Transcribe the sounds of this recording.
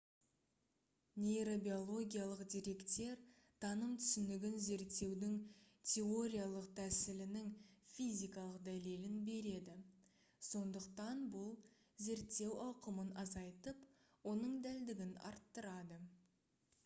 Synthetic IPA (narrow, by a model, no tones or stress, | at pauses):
nʲe̞jɾo̞bio̞lˠo̞ɡʲijalˠəqd̪ʲiɾe̞kt̪e̞ɾ | t̪ʰɑnəmt̪ʰʏ̥sʏnd̪ɪɡʲɪnze̞ɾt̪ːe̞wd̪ɪŋ | t̪ʲʰe̞o̞ɾʲijalˠəqt̪ʰæsɪlɪnɪŋfʲijzʲijkɑlˠəqd̪æle̞lɪnbe̞ɾe̞d̪ɪ | so̞nd̪əqt̪ɑnbʊlˠ | ze̞ɾt̪ːe̞wɑwqəmənɑzɑjt̪əp | wo̞nəɴd̪æld̪ɪɡʲɪnɑ̰ɾt̪ːəɾɑd̪ə